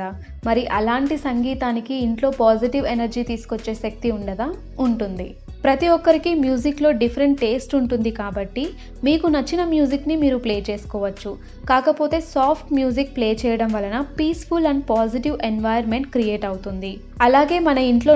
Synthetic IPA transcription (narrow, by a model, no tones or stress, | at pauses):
a | mɐɾiʔɐlaːɳʈisɐŋɡiːt̪aːnikiːɳʈlo̞ːpaːd͡ʒiʈiʋenɐɾd͡ʒiːt̪iːsu̥kot͡ʃːeːʃɐk̚t̪iuɳɖɐd̪ɐ | uɳʈund̪i | pɾɐt̪iʋɔkːɐɾikimjuːd͡ʒiklo̞ːɖipʰɐɾeɳʈːe̞ːsʈuɳʈund̪ikaːbɐʈːi | miːkunɐt͡ʃːinɐmjuːd͡ʒiknimiːɾupleːt͡ʃe̞ːsu̥kɔːʋɐt͡ʃːu | kaːkɐpoːt̪e̞ːsaːpʰʈmjuːd͡ʒik̚pleːt͡ʃɛːjɐɽɐmʋɐlɐnɐpiːspʰulɐɳɖpaːd͡ʒiʈiʋenʋɐjɐɾme̞ɳʈ̚kɾije̞ːʈɐwut̪und̪i | ɐlaːɡe̞ːmɐnɐiɳʈlo̞ː